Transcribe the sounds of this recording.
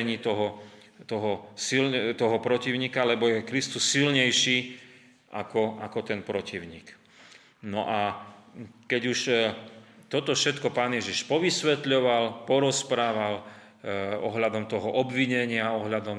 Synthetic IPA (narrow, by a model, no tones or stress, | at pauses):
ɲiːt̪ɔɦɔ | t̪ɔɦɔsilt̪ɔɦɔpɾɔciʊɲiːkalɛbɔjɛkɾist̪usːilɲɛjʃiː | ʔakɔakɔt̪ɛnpɾɔciʊɲḭːk | nɔʔa | kɛɟuʃ | t̪ɔt̪ɔfʃɛt̪kɔpaːnjɛʒiʃpɔʋisʋɛt̪ʎɔʋalpɔɾɔspɾaːʋal | ɔ̰ɦʎad̪ɔmt̪ɔɦɔʔɔbʋiɲɛɲɪaɔɦʎad̪ɔm